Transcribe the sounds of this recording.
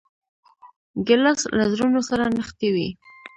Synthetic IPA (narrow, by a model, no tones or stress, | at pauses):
ɡɪlaslazɾunosaɾanəxt̪ewḭ